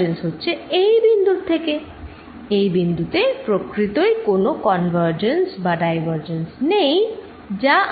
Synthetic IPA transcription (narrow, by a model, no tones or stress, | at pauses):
ensɦotːɕʰeejbind̪uɾt̪ʰeke | ejbind̪ʱut̪epɾokɾit̪ojkonokɔnbʱəɾd͡ʑensbaɖajbʱəɾd͡ʑensnej | d͡ʑa